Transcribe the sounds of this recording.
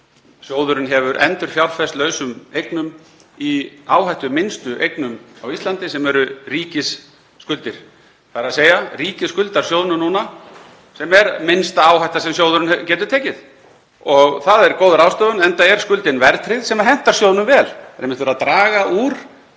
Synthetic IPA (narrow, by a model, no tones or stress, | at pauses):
sjoːwðʏɾʏnɦɛvʏɾʔɛ̰nt̪ʏɾ̥fjawɾfɛst̪lœːɥsʏmejknʏm | iaːwɦajht̪ʏmɪnst̪ʏʔejknʏmawist̪ant̪ɪsɛmɛɾʏriːcɪsː | kʏlt̪ɪɾ̥ | θaɾaðseːjariːcɪskʏlt̪aɾ̥sjoːwðnʏnuːna | sɛmɛɾmɪnst̪aaːwhajht̪asɛmjoːwðʏɾʏnɛcɛːt̪ʏ̥t̪ʰɛːcɪð | ɔɣθaðɛɾkoːwðʏɾawst̪œːðʏnɛnt̪aɛɾ̥skʏlt̪ɪnvɛɾt̪ɾɪðsɛmaɦɛn̥t̪aɾsjoːwðnʏmvɛːlɛɾejmɪt̪vɛɾaðt̪ɾaːɣaʔuɾ̥